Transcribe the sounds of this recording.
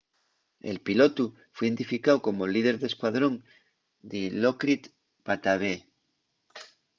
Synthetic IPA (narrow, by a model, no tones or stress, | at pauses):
ḛlpilot̪u | fwðent̪ifikawko̞molið̞eɾðeskwaðɾo̞ŋ | d̪elokɾit̪ | pat̪aβ̞e